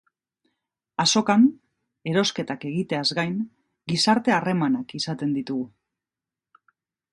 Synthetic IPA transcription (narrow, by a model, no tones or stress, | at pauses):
aso̞kan | e̞ɾo̞ske̞t̪ake̞ɣit̪e̞azɡajn | ɡisaɾt̪e̞are̞manakisat̪e̞nd̪it̪uɣu